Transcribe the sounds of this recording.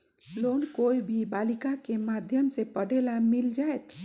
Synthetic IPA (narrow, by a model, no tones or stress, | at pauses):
lonkoibʱibalikakemad̪ʱjəmsepəɽelamild͡ʒaet̪